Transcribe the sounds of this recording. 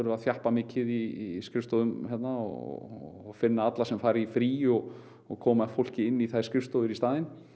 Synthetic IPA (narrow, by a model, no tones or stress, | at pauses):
ɛɾʏaðθjahpamɪːcɪðiskɾɪfst̪owðʏmɦɛt̪naɔ̰fɪnːaat̪lasɛmfaːɾɪifɾiːɔɣ | ɔɣkʰɔːmaɛfowl̥cɪɪnːiθajskɾɪfst̪owɪɾist̪aːðɪn